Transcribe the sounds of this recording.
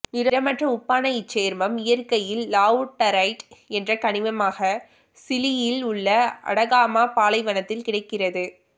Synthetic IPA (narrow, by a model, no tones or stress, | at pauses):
ɪɾɐɾɐmɐʈrɐʊpːaːnɐjɪt͡ʃːeːɾmɐmɪjɐɾkɐjɪlːaːʊʈːɐɾɐɪʈɛndrɐkɐɳɪʋɐmaːɣɐ | sɪlɪjɪlʊɭːɐɐ̰ɽɐɣaːmaːpaːlɐɪʋɐnɐt̪ːɪlkɪɽɐɪkːɪrɐðɯ